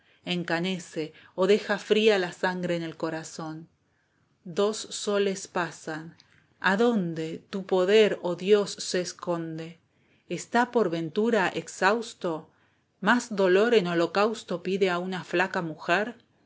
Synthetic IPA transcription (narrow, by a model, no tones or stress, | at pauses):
eŋkane̞se̞oðe̞xafɾialasaŋɡɾeːne̞lko̞ɾaso̞n | d̪o̞sːo̞le̞spasan | aðo̞nd̪e̞t̪upo̞ðeɾoðjo̞sːeːsko̞nd̪e̞ː | st̪apo̞ɾβe̞nt̪uɾaʔeksawst̪o̞ | mazðo̞lo̞ɾeno̞lo̞kawst̪o̞piðe̞aunaflakamuxeɾ